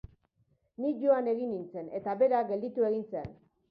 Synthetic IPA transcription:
nikʝo̞ane̞ɣinint͡se̞ne̞t̪aβe̞ɾaɡe̞ld̪it̪ue̞ɣ̞insen

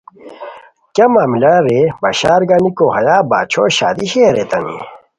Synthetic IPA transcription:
kjamaːmilaɾebɐɕaːɾɡaːnikoɦɐjaːbaːt͡ɕʰoːɕa̰ːd̪iɕeːɾet̪ɐnḭ

